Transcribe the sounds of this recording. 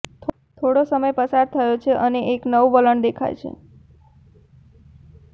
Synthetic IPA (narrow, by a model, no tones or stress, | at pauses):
t̪ʰ | t̪ʰoɽosəməjpəsaɾt̪ʰəjot͡ʃʰeʔəneʔeknəʋʋələɳd̪ekʰa̰jt͡ʃʰḛ